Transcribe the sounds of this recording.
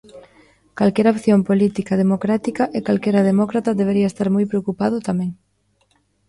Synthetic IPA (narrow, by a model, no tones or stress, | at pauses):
kalkɛɾaopθjompolit̪ikað̞emokɾat̪ikɐʔekalkɛɾɐðemɔkɾat̪ɐðeβeɾiɐest̪aɾmojpɾeokupað̞ʊt̪amɛ̃ŋ